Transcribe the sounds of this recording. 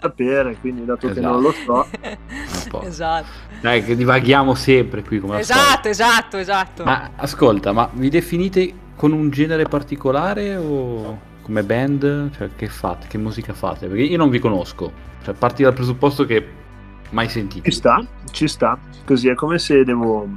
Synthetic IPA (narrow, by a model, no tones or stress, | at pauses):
apeːɾekwind̪id̪aːt̪okzenõnlosɔ | a̰pːɔ̰za | ɛked̪ivaɡjaːmosɛmpɾekwikːomelazat̪ːoezat̪ːoezat̪ːoma̰askolt̪amavid̪efiniːt̪e | konund͡ʒɛːneɾepart̪ikolaːɾeo | komebɛnd̪t͡ʃoɛk̟efːa̰t̪e̥k̟emːuːzikafa̰ːt̪eperk̟eiːonõɱvikonoskot͡ʃoɛpːart̪id̪alpɾezupːɔst̪ok̟e | majsent̪iːist̪a | t͡ʃist̪a | koziɛkːomesed̪ɛːvo